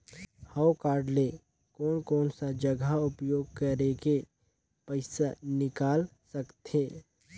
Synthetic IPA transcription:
haːʊkaːɾɖle | kɔːnkɔːnsad͡ʒəɡʱaʊpjoːɡ̚kəɾeke | pəɪsanɪkaːlsɐkt̪eː

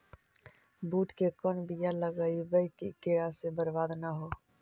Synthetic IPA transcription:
buːʈkekɔnbijaləɡəjubəikikeɽasebəɾbaːd̪naɦo

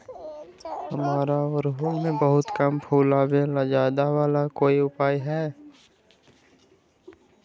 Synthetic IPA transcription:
həmaːɾaʋəɾɦulmẽbəɦʊt̪kəmpʰuːlaːbẽlad͡ʒaːd̪aʋaːlakoːiʊpaːjɦɛː

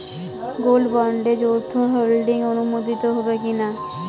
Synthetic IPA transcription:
ɡolɖbɔɳɖed͡ʒowt̪ʰoɦolɖɪŋɡonumod̪ʱit̪oɦobekina

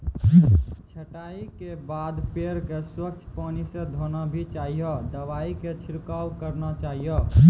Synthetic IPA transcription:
t͡ʃʰəʈaikebad̪peɾkeswəkt͡ʃʰpanisẽd̪ʱonabʱit͡ʃaɦijɔd̪əʋaiket͡ʃʰiɾkawkəɾnat͡ʃaɦijɔ

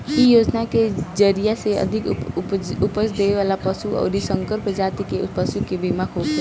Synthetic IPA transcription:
ɦijoːd͡ʒnaked͡ʒəɾijaseə̰d̪ʱik | upəsd̪eʋeʋalapəsuɔ̰ʊɾisəŋkəɾpd͡ʒat̪ikepəsukebimakɦok

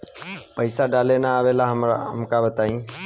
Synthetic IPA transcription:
pəɪsaːɖaːlenaːʋeːlaɦəɦəmkabət̪aːĩː

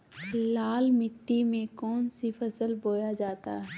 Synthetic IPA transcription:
laːlmɪʈːimẽkɔːnsifʰɐsəlboːjad͡ʒaːt̪a̰ɦɛː

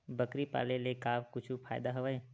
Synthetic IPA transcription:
bəkɾipa̰ːlelekaːbkʊt͡ʃʰupʰa̰ːjɪd̪aɦoʋaẽ

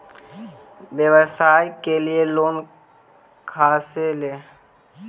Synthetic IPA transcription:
ʋjəʋəsaːjkelieloːn | kʰaːseleː

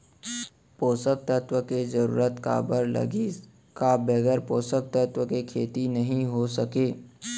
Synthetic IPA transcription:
poːsək̚t̪ət̪wəkezəɾṵːɾət̪ka̰ːbəɾlɐ̰ɡi | kabɛɡəɾpoːsək̚t̪ət̪wəkekʰeːt̪inɐɦĩɦosəkeː

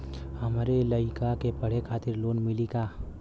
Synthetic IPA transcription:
həmɾeləɪkakepəɽ̤ekʰaːt̪ɪɾloːnmɪlikaː

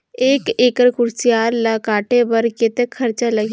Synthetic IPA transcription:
eːkeːkəɾkʊɾsijaːɾlɐkaːʈebɐɾket̪ekʰɐɾt͡ʃalɐɡ

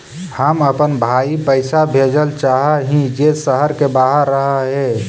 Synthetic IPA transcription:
həməpənbʱaipəɪsabʱed͡ʒəlt͡ʃaɦaɦĩd͡ʒesəɦəɾkebaːɦəɾːəɦaɦɛ

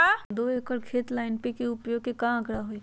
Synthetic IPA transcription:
ad̪oːekəɾkʰeːt̪laːɪnpekiʊpjoːɡ̚kekãə̃kɾaɦoi

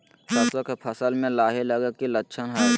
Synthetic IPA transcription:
təswək̪ʰpʰəsəlmẽlaːɦeləɡəkilətːʃʰənɦa

